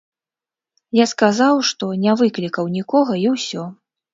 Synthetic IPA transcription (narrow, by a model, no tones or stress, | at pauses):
jaskazawʂt̪ɔnʲavɨklʲikɐwnʲikɔɣɐiwsʲɔ